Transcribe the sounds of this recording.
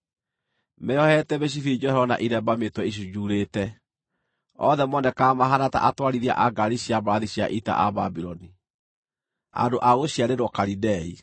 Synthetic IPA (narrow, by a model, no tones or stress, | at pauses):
mɛɔhɛtɛβeɕ̬ifid͡ʒɔɔna̰ʔiɾɛbametwɛiʃ̬ud͡ʒuɾetɛ | ɔðɛmɔnɛkamaɦanata̰ʔatwaɾiɾia̰ʔaɡaɾiɕiabaɾaðiɕja̰ʔita̰ʔa̰babiɾɔni | a̰ndoʔaɣoɕjaɾeɾɔkaɾidɛi